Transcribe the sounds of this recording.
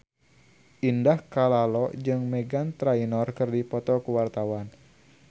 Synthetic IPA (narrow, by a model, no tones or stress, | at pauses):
ʔindahkalalɔd͡ʒɨŋmɛɡant̪ɾainɔrkɨrdipɔt̪ɔkuwart̪awan